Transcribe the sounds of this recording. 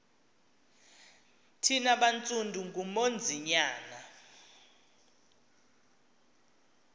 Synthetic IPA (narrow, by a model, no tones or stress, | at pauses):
tʰinaɓant͡sʼundʱuŋɡumond͡zʱiɲaːna